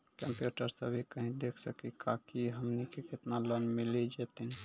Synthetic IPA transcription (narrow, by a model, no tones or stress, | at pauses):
kəmpjuʈəɾsəbʱikəɦĩd̪ekʰsəkikʰakiɦəmnikeket̪nalənmilid͡ʒet̪i